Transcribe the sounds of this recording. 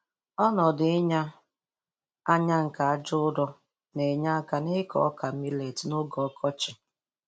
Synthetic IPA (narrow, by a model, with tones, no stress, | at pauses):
ɔ˦nɔ˨dɪ˨ɪ˦ɲa˦ | a˦ɲa˦ŋ̩˨ka˨a˦d͡ʒʊ˦ʊ˦dɔ˦ | ne˨ɲa˦ka˨nɪ˦kɔ̰˦ka˨mi˦le˨tnʊ˦ɡɔ˨˦kʰɔ˦t͡ʃɪ̥˨